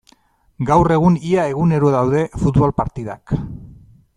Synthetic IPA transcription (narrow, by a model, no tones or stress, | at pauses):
ɡawre̞ɣ̞uniae̞ɣ̞une̞ɾoðawðe̞fut̪βolpaɾt̪iða̰k